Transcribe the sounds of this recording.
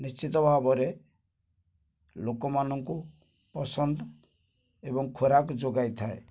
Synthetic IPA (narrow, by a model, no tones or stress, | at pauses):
nist͡ʃit̪ɔbʱabɔɾe | lokɔmanɔŋku | pɔsɔnd̪ʱɔ | ebɔŋkʰoɾakd͡ʒoɡajt̪ʰae